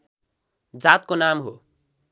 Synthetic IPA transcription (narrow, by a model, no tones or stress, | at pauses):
d͡zat̪̚konamɦo